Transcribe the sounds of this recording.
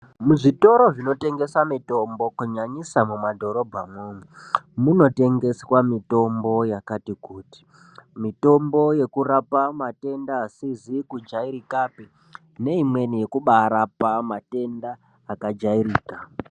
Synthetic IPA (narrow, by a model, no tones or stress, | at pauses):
muʐito̞ɾo̞ʐino̞te̞ŋɡe̞samito̞mbo̞kuɲaɲisamumadʱo̞ɾo̞bʱamuːnumuno̞te̞ŋɡe̞swamito̞mbo̞jakatikuːti̥ | mito̞mbo̞je̞kuɾapamate̞ndaːsizikud͡ʒaiɾikape | ne̞imwe̞nije̞kuɓaɾapamate̞ndaː | kad͡ʒaiɾiːka